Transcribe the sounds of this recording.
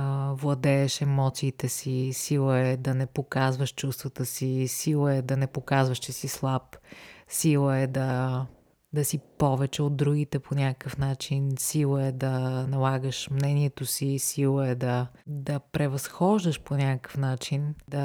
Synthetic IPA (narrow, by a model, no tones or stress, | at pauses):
vlˠɐd̪ɛɛʃɛmɔt̪siːt̪ɛsisilˠəɛd̪ɐnɛpokazvəʃt͡ʃust̪vət̪əsisilˠəɛd̪ɐnɛpokazvəʃt͡ʃɛsislˠapsilˠəɛd̪ɐ | d̪ɐsipɔvɛt͡ʃɛod̪̚d̪ɾuɡit̪ɛpʰonʲakəkəfnat͡ʃinsilˠəɛd̪ɐnɐlˠaɡəʃmnɛniɛt̪osisilˠəɛd̪ɐ | d̪ɐpɾɛvɐsxɔʒd̪əʃponʲakəkə̥fnat͡ʃind̪ɐ